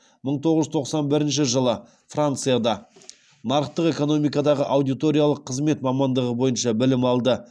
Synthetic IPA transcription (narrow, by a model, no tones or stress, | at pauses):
məɴt̪ʰo̞ʁəzʏt̪ʰo̞qsɑnbɪɾɪnʃɪʒəlˠə | frant̪sɨjad̪ɑ | nɑɾəqt̪əqe̞ko̞no̞mijkɑd̪ɑʁəʔɑwd̪ijt̪o̞ɾʲijalˠəqʰːəzme̞t̪mɑmɑnd̪əʁəbo̞jənʃɑbɪlɪmɑlˠd̪ə